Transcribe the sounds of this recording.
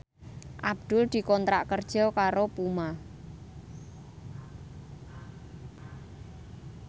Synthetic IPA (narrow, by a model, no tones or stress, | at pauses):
ʔab̚d̪̥ʊld̪̥i̤kɔnt̪ɾaʔkərd̥ʒ̥ɔkaɾopuma